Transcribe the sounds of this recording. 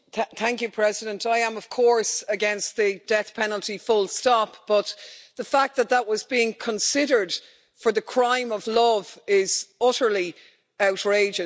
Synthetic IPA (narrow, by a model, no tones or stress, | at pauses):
θθæ̃ŋkjɨpʰɹ̥ɛzɪdə̃ntʰaɪə̃mʌv̥kʰɔɹsəɡɛ̃nst̪ðədɛθpʰɛnəl̩ˠtifʊlˠstɑpb̥ʌt̪ðəfak̪̚ðət̪̚ðəʔ̚wɒzbiɪ̃ŋkʰə̃nsɪɾə˞d̥ | fə˞ðəkʰɹ̥ãɪ̃məvlʌvɪzʌɾə˞li | aʊtɹeɪd͡ʒɨ